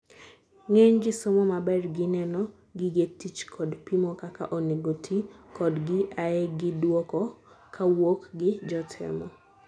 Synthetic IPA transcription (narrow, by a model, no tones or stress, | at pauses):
ŋeɲɡɪsomɔmabɛrɡɪnɛnɔ | ɡɪɡetit͡ʃkʰɔdpimɔkaka̰ʔɔneɡotʰikɔdɡɪʔaɛɡɪdwɔkɔ | kʰawokɡɪd͡ʒɔtʰɛ̰mɔ